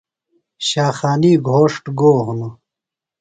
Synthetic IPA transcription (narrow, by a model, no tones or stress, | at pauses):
ɕaːxaːniːɡʱoːʂʈɡoːɦunu